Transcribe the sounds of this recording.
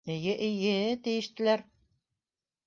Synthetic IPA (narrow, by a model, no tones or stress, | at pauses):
ɘ̆jɘʔɘjɘt̪ɘ̆jɘ̆ʃt̪ɘ̆læɾ